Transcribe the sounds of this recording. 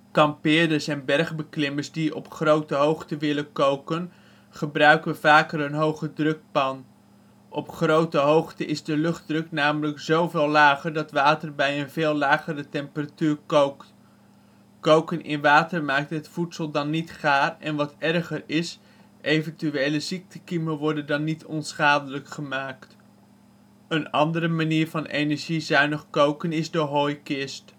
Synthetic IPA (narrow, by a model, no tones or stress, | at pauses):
kɑmpɪːdəsɛnbɛrχbəklɪməɹzdiʔɔ̰pχrowtəɦowχtəʋɪlənkowkən | χəbrœɥkəʋəv̥aːkəɾənɦowχədrɵk̚pɑn | ʔɔpχrowtəɦowχtəʔɪzdəlɵχd̚drɵknaːmələkzowvɪːlaːχərdɑtʋaːtərbɛjənveːlˠlaːχəɾətɛmpəratyːɹkok | kowkənʔɪ̰nʋaːtəɹmaːk̚tɦətfutsəlˠdɑnːitχaːrɛ̰nʋɑtɛrχəɹɪs | ʔejvəntyejləzik̚təkiməʋɔɹdəndɑnːitʰɔnsχaːdələkχəmaːkt | ənɑ̰ndərəmaniːɹvɑnḛjnɛɹʒizœɥnəχkowkənɪzdəɦoːjkɪst